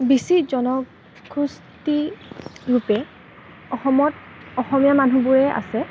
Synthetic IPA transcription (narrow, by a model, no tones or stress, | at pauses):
bisizɔnɔ | ɡʰɹus | ti | ɹupɛ | ɔxɔmɔt | ɔxɔmijamanubuɹɛʔa̰sɛ